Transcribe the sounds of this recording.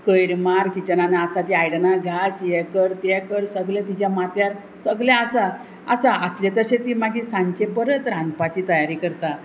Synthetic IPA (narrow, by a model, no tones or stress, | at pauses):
kəjɾmaɾkit͡ɕənanaasat̪iajɽnaɡʱasjɛkəɾt̪ɛkəɽsəɡlẽt̪it͡ɕjamat̪jaɾ | səɡljaəsa | əsaʔəsljet̪əɾɕẽt̪iːmaɡĩsãɲt͡ɕebəɾət̪ɾãnd̪pat͡ɕiːt̪əjaɾiːkəɾt̪a